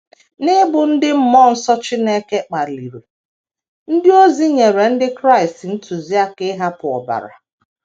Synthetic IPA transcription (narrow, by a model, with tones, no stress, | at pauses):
nɪ˦bʊ˨n̩˦dɪ˦m̩˦mɔ˦˨n̩˦sɔ˦t͡ʃɪ˦ne˦ke˦k͡pa˨li˨ɾe˨ | n̩˦dɪ˦o˦zi˦ɲe˨ɾe˨n̩˦dɪ˦kɾa˦ɪ˨stn̩˦tʰu˨zi˦a˦ke˦ɦa˦pʊ˨ɔ̰˨ba̰˨ɾa̰˨